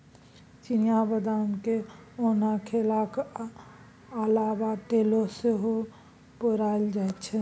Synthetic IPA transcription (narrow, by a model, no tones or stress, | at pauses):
t͡ʃinijabəd̪amkeonakʰelak | əlabaʈeloseɦo | pəɾaeld͡ʒaet̪t͡ʃʰɛ